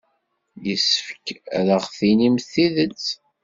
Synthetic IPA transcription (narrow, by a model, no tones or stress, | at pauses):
jəsə̥fə̥kɾəʁθinimθiðət͡sː